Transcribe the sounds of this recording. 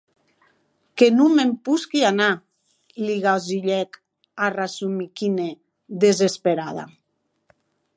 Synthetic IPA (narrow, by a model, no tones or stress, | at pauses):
kenumempuskiana | liɣaziʎɛk | arasumikine | d̪ezespeɾaða̰